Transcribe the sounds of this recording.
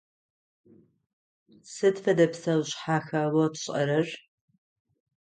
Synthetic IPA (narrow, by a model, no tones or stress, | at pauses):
sɨdfɐdɐpsɐwɕħaːxɐwɐtɕʼɐ̰ɾɐr